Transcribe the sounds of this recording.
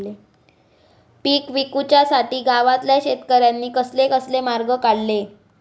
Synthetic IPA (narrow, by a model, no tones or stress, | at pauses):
le | piːkʋikut͡ɕjasaʈiːɡaʋat̪ljaɕet̪kəɾjanːiːkəslekəslemaɾɡəkaɽle